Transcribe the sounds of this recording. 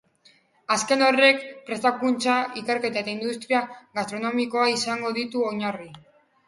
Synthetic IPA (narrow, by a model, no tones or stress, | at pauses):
aske̞no̞re̞kpɾe̞st̪akunt͡ʃaike̞ɾke̞t̪aet̪aind̪ust̪ɾiaɣast̪ɾo̞no̞miko̞aisaŋɡo̞ðit̪uoɲari